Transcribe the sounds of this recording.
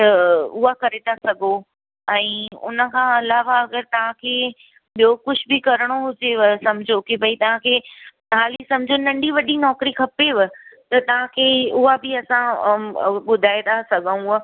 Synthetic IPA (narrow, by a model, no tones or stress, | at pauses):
t̪ɐʊɦakɐɾet̪ʰasɐɡʱo | ɛ̃ːʊ̰nə̆kʰãːɐlaːʋaɐɡəɾt̪ɐʋ̤ãkʰeː | ɓijoːkʊd͡ʑʱbɪkɐɾəɽ̃oɦʊd͡ʑeʋɪsɐmd͡ʑʱokebʱɐit̪ɐʋ̤ãkʰeː | ɦaːlisɐ̃md͡ʑʱonɐ̃ɳɖiʋɐɗinɔːkɾikʰɐpeʋɪt̪ɐt̪ɐʋ̤ãkʰeːʊɦabɪɐsã | ɓʊd̪ʱaːed̪asɐɡʱə̃ũ